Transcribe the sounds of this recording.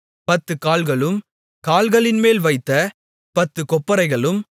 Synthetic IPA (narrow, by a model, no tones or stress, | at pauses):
pɐt̪ːɯkaːlɣɐɭɯm | kaːlɣɐɭɪnmeːlʋɐɪt̪ːɐ | pɐt̪ːɯkɔpːɐɾɐɪɣɐɭɯm